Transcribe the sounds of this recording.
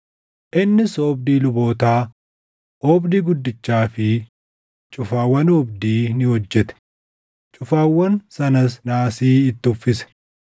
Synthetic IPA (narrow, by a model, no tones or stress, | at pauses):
ʔɪnːɪsoːbd̪iːlʊbo̞ːt̪aː | ʔɔːbd̪iɡʊd̪ːɪt͡ʃːaːfɪ | t͡ʃʼʊfaːwːɐnɔbd̪iːnɪhɔd͡ʒːɛt̪ɛ̥ | t͡ʃʼʊfaːwːɐnsɐnɐsnaːsiːɪt̪ːɪʊfːɪsɛ̥